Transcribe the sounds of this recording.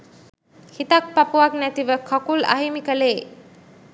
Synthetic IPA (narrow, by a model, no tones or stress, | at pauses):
hit̪ak̚papuʋaknæt̪iʋəkʰɔkula̰ɦimikəleː